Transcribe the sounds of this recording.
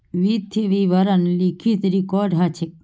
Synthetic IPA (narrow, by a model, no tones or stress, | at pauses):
ʋit̪ʰiʋiʋɐɾɐnlikʰit̪ɾikɔɖɦat͡ʃʰek̚